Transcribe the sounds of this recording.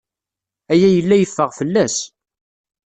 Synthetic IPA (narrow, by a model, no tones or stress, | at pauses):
æjæjəlːæjəfːəʁfəlːæs